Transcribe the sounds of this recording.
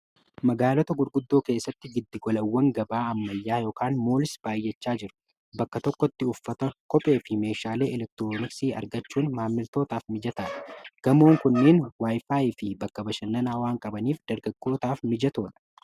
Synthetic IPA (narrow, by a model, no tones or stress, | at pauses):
mɐɡaːlɔt̪ɐɡʊɾɡʊd̪ːo̞ːke̞ːsːɐt̪ːɪɡɪd̪ːɪɡɔlɐwːɐŋɡɐbaːɐmːɐjːaːjoːkaːnmo̞ːlɪsb̥aːjːɛt͡ʃːaːd͡ʒɪɾʊ̥ | bɐkːɐt̪ɔkːɔt̪ːɪʊfːɐt̪ɐkɔpʼe̞ːfɪme̞ːʃaːle̞ːʔɛlɛk̚t̪ɪɾoːnɪksiːɐ̰ɾɡɐt͡ʃːuːnmaːmːɪlt̪o̞ːt̪aːfmɪd͡ʒɐt̪aːᶑɐɡ̥ɐmo̞ːŋkʊnːeːnwaːjfaːɪfɪbɐkːɐbɐʃɐnːɐnaːwaːŋkʼɐbɐniːfd̪̥ɐɾɡɐɡːo̞ːt̪aːfmɪd͡ʒɐt̪o̞ːᶑɐ̥